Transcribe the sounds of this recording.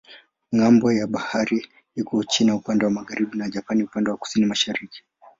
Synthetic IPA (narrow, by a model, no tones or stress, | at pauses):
ŋambɔjaɓahaɾi | ikɔt͡ʃinaupandɛwamaɣaɾiɓinaʄapaniupandɛwaku̥sinimaʃaɾiki̥